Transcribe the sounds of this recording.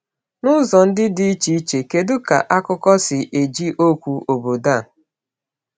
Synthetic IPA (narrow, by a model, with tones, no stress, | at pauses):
nʊ˦zɔ˨n̩˦dɪ˦dɪ˦i˦t͡ʃi˦i˦t͡ʃe˨ke˨dʊ˦ka̰˨ʔa˦kʊ˦kɔ˦sɪ˨ʔe˨d͡ʒi˦ʔo˦kʷu˨o˨bo˨da˦˨